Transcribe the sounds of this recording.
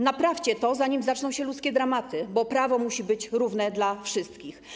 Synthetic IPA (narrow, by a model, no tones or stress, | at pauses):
napɾaft͡ɕɛt̪ɔzaɲimzat͡ʂnɔ̃w̃ɕɛlut̪skʲɛd̪ɾamat̪ɘbɔpɾavɔmuɕibɘt͡ɕɾuvnɛd̪lafʂɘst̪kʲix